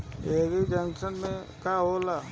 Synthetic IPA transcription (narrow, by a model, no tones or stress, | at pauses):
eːɾid͡ʒɛ̃ŋsənmẽkaːɦolaː